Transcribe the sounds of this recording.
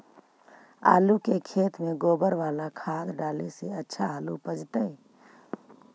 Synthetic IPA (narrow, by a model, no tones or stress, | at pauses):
a̰ːlukekʰet̪meɡoːbəɾʋaːlakʰad̪ɖaːliseətːʃʰaɦlupəd͡ʒt̪əj